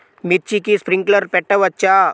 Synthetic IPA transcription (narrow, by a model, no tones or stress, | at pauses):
mit̪̚t͡ɕikispɾiŋkləɾpɛʈəʋət͡ɕa